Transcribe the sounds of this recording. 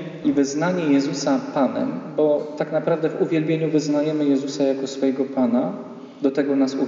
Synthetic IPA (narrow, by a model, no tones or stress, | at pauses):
ivɘznaɲɛjɛzusapanɛ̰mbɔt̪aknapɾavd̪ɛvuvʲjɛlbʲjeɲuvɘznajɛmɘjɛzusajakɔsfɔjɛɡɔpana | d̪ɔt̪ɛɡɔnasu